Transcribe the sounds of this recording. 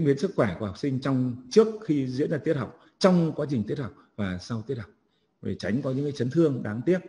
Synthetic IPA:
ŋwi˨˦ənsɨ˦˥k̚xwɛː˧˩ku˧˩ha˨˩k͡p̚sï˧ŋ̟t͡ɕɔ˧wŋ͡mt͡ɕɨ˦˥ək̚xi˧zḭ˧˥ənzaː˧i˦˥ət̚ha˨˩wk͡p̚ | t͡ɕɔ˧wŋ͡mkwaː˨˦t͡ɕi˨˩ŋ̟t̪i˦˥ət̚hɦa˨˩k͡p̚vaː˨˩sa˧wt̪i˦˥ət̚ha˨˩k͡p̚ | vḛ˨˩t͡ɕa˨˦jŋ̟kɔ˨˦ɲɨ̰˧˥ŋkaː˨˦jt͡ɕə˨˦nt̪ʰɨ˧əŋɗaː˨˦ŋt̪i˦˥ət̚

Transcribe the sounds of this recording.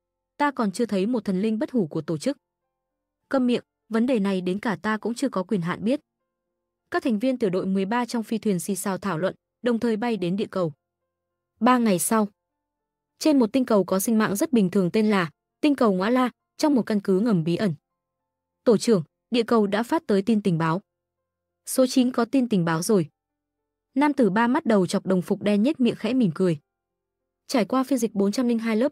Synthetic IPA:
t̪aː˧kɔ˨˩nt͡ɕɨ˧ət̪ʰə˨˦jmo˨˩t̚t̪ʰə˨˩nlï˧ŋɓə˦˥t̚hu˧˩ku˧˩ət̪o˧˩t͡ɕɨ˦˥k̚ | kə˧mmḭ˧˨əŋ | və˨˦nɗe˨˩na˨˩jɗe˨˦nkaː˧˩t̪aː˧kʊ̰˧˥ŋ͡mt͡ɕɨ˧əkɔ˨˦kwi˨˩ənɦa̰ː˧˨nɓi˦˥ət̚ | kaː˦˥k̚t̪ʰa˨˩ŋ̟vi˧ənt̪ɨ˧˩əɗo̰˧˨jmɨ˨˩əjɓaː˧t͡ɕɔ˧wŋ͡mfi˧t̪ʰwi˨˩ənsi˧saː˧˩wt̪ʰaː˧˩wlwə̰˧˨n | ɗə˨˩wŋ͡mt̪ʰəː˨˩jɓa˧jɗe˨˦nɗḭ˧˨əkə˨˩w | ɓaː˧ŋa˨˩jsa˧w | t͡ɕe˧nmo˨˩t̚t̪ï˧ŋkə˨˩wkɔ˨˦sï˧ŋ̟ma̰ː˧˨ŋzə˦˥t̚ɓï˨˩ŋ̟t̪ʰɨ˨˩əŋt̪e˧nlaː˨˩ | t̪ï˧ŋ̟kə˨˩wŋwa̰ː˧˥laː˧ | t͡ɕɔ˧wŋ͡mmo˨˩t̚kə˧nkɨ˨˦ŋə˨˩mɓi˨˦ʔə˧˩n | t̪o˧˩t͡ɕɨ˧˩əŋ | ɗḭ˧˨əkə˨˩wɗa̰ː˧˥faː˦˥t̚t̪əː˨˦jt̪i˧nt̪ï˨˩ŋ̟ɓaː˨˦w | so˨˦t͡ɕi˨˦nkɔ˨˦t̪i˧nt̪ï˨˩ŋ̟ɓaː˨˦wzo˨˩j | naː˧mt̪ɨ˨˩ɓaː˧ma˦˥t̚ɗə˨˩wt͡ɕɔ˨˩wk͡p̚ɗə˨˩wŋ͡mfʊ˨˩k͡p̚ɗɛ˧nɲə˦˥t̚mḭ˧˨əxɛ̰˧˥mi˨˧˩əmkɨ˨˩əj | t͡ɕaː˧˩jkwaː˧fi˧ənzi˨˩k̟̚ɓo˨˦nt͡ɕa˧mli˧ŋɦaː˧jləː˦˥p̚

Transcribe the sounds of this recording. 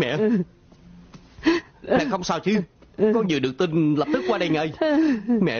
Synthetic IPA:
mɛ̰˧˨ | mɛ̰˧˨xə˧wŋ͡msaː˧wt͡ɕɨ˧kɔ˨˦ɲi˨˩əɗɨ˨˩ək̚t̪i˧nlə˨˩p̚t̪ɨ˦˥kːwaː˧ɗə˧jŋə̰˧jmɛ̰˧˨

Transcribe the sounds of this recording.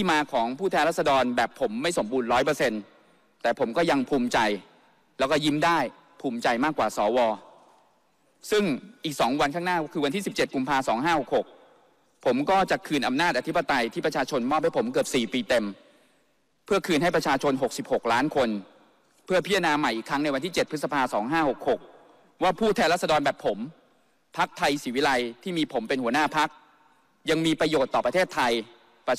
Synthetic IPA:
t̪ʰiː˥˩maː˧kʰɔː˩˦ŋpʰuː˥˩t̪ʰɛː˧nɾa˥˩t̚sa˧dɔː˧nbɛː˨˩pʰːo˩˦mːa˥˩jso˩˦mbuː˧nɾɔː˦˥jp̬ɤː˧se˧n | t̪ɛː˨˩pʰo˩˦mkɔː˥˩ja˧ŋpʰuː˧mt͡ɕa˧j | lɛː˦˥wkɔː˥˩ji˦˥˩mdaː˥˩j | pʰuː˧mt͡ɕa˧jmaː˥˩kːwaː˨˩sɔː˩˦wɔː˧ | sɯ˥˩ŋʔiː˨˩k̚sɔː˩˦ŋwa˧nkʰaː˥˩ŋnaː˥˩kʰɯː˧wa˧nt̪ʰiː˥˩si˨˩p̚t͡ɕe˨˩t̪̚ku˧mpʰaː˧sɔː˩˦ŋɦaː˥˩ho˨˩k̚ho˨˩k̚ | pʰo˩˦mkɔː˥˩t͡ɕa˨˩kʰɯː˧nʔa˧mnaː˥˩t̪̚ʔa˧t̪ʰi˦˥pa˧t̪a˧jt̪ʰiː˥˩pɾa˧t͡ɕʰaː˧t͡ɕʰo˧nmɔː˥˩p̚ha˥˩jpʰo˩˦mkɯ˨˩əp̚siː˨˩piː˧t̪e˧m | pʰɯ˥˩əkʰɯː˧nha˥˩jpɾa˧t͡ɕʰaː˧t͡ɕʰo˧nɦo˨˩k̚si˨˩p̚ho˨˩k̚laː˦˥nkʰo˧n | pʰɯ˥˩ɐpʰi˦˥a˧naː˧ma˨˩jʔiː˨˩kʰɾa˦˥ŋna˧jwa˧nt̪ʰiː˥˩t͡ɕe˨˩t̪̚ʰɯ˦˥sa˧pʰaː˧sɔː˩˦ŋɦaː˥˩ho˨˩k̚ho˨˩k̚ | waː˥˩pʰuː˥˩t̪ʰɛː˧nla˥˩t̪̚sa˧dɔː˧nbɛː˨˩pʰːo˩˦m | pʰa˦˥k̚t̪ʰa˧jsiː˩˦wi˦˥la˧jt̪ʰiː˥˩miː˧pʰo˩˦mpe˧nhu˩˦ənaː˥˩pʰa˦˥k̚ | ja˧ŋmiː˧pɾa˧joː˨˩t̪ːɔː˨˩pɾa˧t̪ʰeː˥˩t̪ʰːa˧j | p

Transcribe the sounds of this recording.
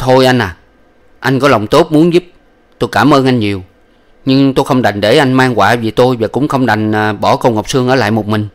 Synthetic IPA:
t̪ʰo˧jʔa˧jn̟ʔaː˨˩ | ʔa˧jŋ̟kɔ˨˦lə˨˩wŋ͡mt̪o˦˥t̚mu˨˦nzu˦˥p̚ | t̪o˧jkaː˧˩mʔəː˧nʔa˧jŋ̟ɲi˨˩əw | ɲɨ˧ŋt̪o˧jxə˧wŋ͡mɗa˨˩jŋ̟ɗe˧˩ʔa˧jŋ̟maː˧ŋkwaː˧˩vi˨˩t̪o˧jvaː˨˩kʊ̰˧˥ŋ͡mxə˧wŋ͡mɗa˨˩jŋ̟ʔːɓɔ˧˩kə˧wŋə˨˩wk͡p̚sɨ˧əŋʔəː˧˩la̰ː˧˨jmʊ˨˩k͡p̚mï˨˩ŋ̟

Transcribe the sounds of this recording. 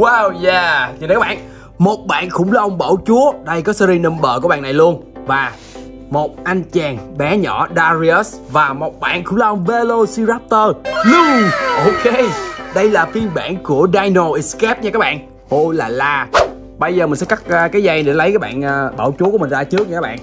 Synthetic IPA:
waː˧wjaː˧˩ɲ˨kaː˦˥ɓa̰ː˧˨n | mo˨˩t̚ɓa̰ː˧˨nkʊ̰˧˥ŋ͡mlaː˨˩ʔə˧wŋ͡mɓə̰˧˩wt͡ɕu˨˦əɗə˧jkɔ˨˦sɛ˧ɾi˧nə˧mɓə̰ː˧˨ku˧˩ɓa̰ː˧˨nːa˨˩jlu˧ən | vaː˨˩ | mo˨˩t̚ʔa˧nt͡ɕɛː˨˩ŋɓɛ˨˦ɲɔ̰˧˩˥ɗaː˧zi˧ə˦˥svaː˨˩mo˨˩t̚ɓa̰ː˧˨nkʊ̰˧˥ŋ͡mlaː˨˩ʔə˧wŋ͡mve˧lo˧si˧zaː˦˥p̚t̪əː˧lʊ˨˧ʔo˧ke˧ɗə˧jlaː˨˩fi˧nɓa̰ː˧˨nku˧˩əɗaː˧jno˨˩ʔi˨˩skɛ˦˥p̚ɲa˧a˦˥ɓaː˧˨ | ho˧jlaː˨˩laː˨˩ | ɓə˧jzəː˨˩mi˨˩ŋ̟sɛ̰˧˥ka˦˥k̚ːkaː˨˦jza˧jɗe˧˩lə˨˦jkaː˦˥ɓa̰ː˧˨nʔəː˧˩ɓə̰ː˧˩wt͡ɕu˨˦kəm̟˨˩zaː˧t͡ɕɨ˦˥k̚ɲ˧aː˦˥ɓa̰ː˧˨n

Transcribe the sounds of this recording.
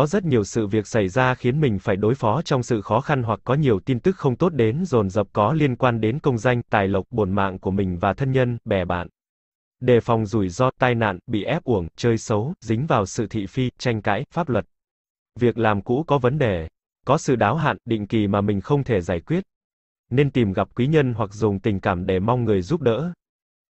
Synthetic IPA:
kɔ˨˦zə˦˥t̚ɲi˨˩əwsɨ̰˧˨vi˨˩ək̚sa˧˩jzaː˧xi˨˦ənmï˨˩ŋ̟faː˧˩jɗo˨˦jfɔ˨˦t͡ɕɔ˧wŋ͡msɨ̰˧˨xɔ˨˦xa˧nɦwa˨˩k̚ːɔ˨˦ɲi˨˩əwt̪i˧nt̪ɨ˦˥k̚xə˧wŋ͡mt̪o˦˥t̚ɗe˨˦nzo˨˩nzə˨˩p̚kɔ˨˦li˧ənkwaː˧nɗe˨˦nkə˧wŋ͡mza˧jŋ̟t̪aː˨˩jlə˨˩wk͡p̚ɓo˨˩nma̰ː˧˨ŋku˧˩əmï˨˩ŋ̟vaː˨˩t̪ʰə˧nɲə˧nɓɛ˧˩ɓa̰ː˧˨n | ɗe˨˩fɔ˨˩wŋ͡mzu˧˩jzɔ˧t̪aː˧jna̰ː˧˨nɓḭ˧˨ʔɛ˦˥p̚ʔu˧˩əŋt͡ɕəː˧jsə˨˦wzï˨˦ŋ̟vaː˨˩wsɨ̰˧˨t̪ʰḭ˧˨fi˧t͡ɕa˧jŋ̟ka̰ː˧˦˥jfaː˦˥p̚lwə˨˩t̚ | vi˨˩ək̚laː˨˩mkṵ˧˥kɔ˨˦və˨˦nɗe˨˩ | kɔ˨˦sɨ̰˧˨ɗaː˨˦wɦa̰ː˧˨nɗḭ˧˨ŋ̟ki˨˩maː˨˩mï˨˩ŋ̟xə˧wŋ͡mt̪ʰe˧˩zaː˧˩jkwi˦˥ət̚ | ne˧nt̪i˨˩mɣa˨˩p̚kwi˨˦ɲə˧nɦwa˨˩k̚zʊ˨˩ŋ͡mt̪ï˨˩ŋ̟kaː˧˩mɗe˧˩ma˧wŋ͡mŋɨ˨˩əjzu˦˥p̚ɗə̰ː˧˥

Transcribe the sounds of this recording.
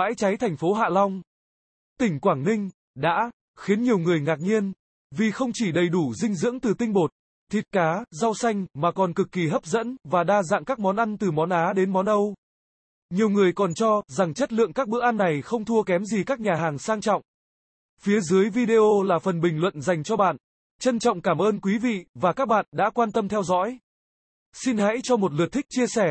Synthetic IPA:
a̰ː˧˥jt͡ɕa˨˦jt̪ʰa˨˩jŋ̟fo˨˦ɦa̰ː˧˨lɔ˧wŋ͡m | t̪ï˧˩ŋ̟kwaː˧˩ŋnï˧ŋ̟ | ɗa̰ː˧˥ | xi˨˦ənɲi˨˩əwŋɨ˨˩əjŋaː˨˩k̚ɲi˧ən | vi˨˩xə˧wŋ͡mt͡ɕi˧˩ɗə˨˩jɗu˧˩zï˧ŋ̟zɨ̰˧˥əŋt̪ɨ˨˩t̪ï˧ŋ̟ɓo˨˩t̚ | t̪ʰi˨˩t̚kaː˨˦za˧wsa˧jŋ̟maː˨˩kɔ˨˩nkɨ˨˩kːi˨˩ɦə˦˥p̚zə̰˧˥nvaː˨˩ɗaː˧za̰ː˧˨ŋkaː˦˥k̚mɔ˨˦nʔa˧nt̪ɨ˨˩mɔ˨˦nʔaː˨˦ɗe˨˦nmɔ˨˦nʔə˧w | ɲi˨˩əwŋɨ˨˩əjkɔ˨˩nt͡ɕɔ˧za˨˩ŋt͡ɕə˦˥t̚lɨ̰˧˨əŋkaː˦˥k̚ɓɨ̰˧˥ʔa˧nːa˨˩jxə˧wŋ͡mt̪ʰu˧əkɛ˨˦mzi˨˩kaː˦˥k̚ɲaː˨˩ɦaː˨˩ŋsaː˧ŋt͡ɕɔ̰˧˨wŋ͡m | fi˨˦əzɨ˨˦əjvi˧ɗe˧ʔo˧laː˨˩fə˨˩nɓï˩ŋ̟lwə̰˧˨nza˨˩jŋ̟t͡ɕɔ˧ɓa̰ː˧˨n | t͡ɕə˧nt͡ɕɔ̰˧˨wŋ͡mkaː˧˩mʔəː˧nkwi˨˦vḭ˧˨vaː˨˩kaː˦˥k̚ɓa̰ː˧˨nɗa̰ː˧˥kwaː˧nt̪ə˧mt̪ʰɛ˧wzɔ̰˧˥j | si˧nha̰˧˥jt͡ɕɔ˧mo˨˩t̚lɨ˨˩t̚t̪ʰï˦˥k̚t͡ɕi˧əsɛ˧˩

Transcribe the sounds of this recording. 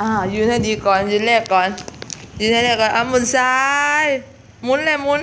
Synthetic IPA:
ʔaː˧˩juː˨˩na˥˩jdiː˧kɔː˨˩njuː˨˩lɛː˧˩kːɔː˨˩njuː˨˩nʰa˥˩jlɛː˧˩kːɔː˨nʔaː˧˩mu˧˥˨nsaː˧˦j | mu˧˥nlɛː˧˩mu˧˥n

